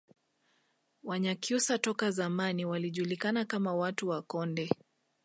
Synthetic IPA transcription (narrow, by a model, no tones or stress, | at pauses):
waɲakjusatɔkazamaniwaliʄulikanakamawatuwakɔndɛ